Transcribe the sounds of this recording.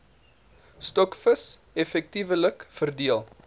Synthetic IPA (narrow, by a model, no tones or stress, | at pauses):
stɔkfəs | ɛfɛk̚tivələkfərdiəlˠ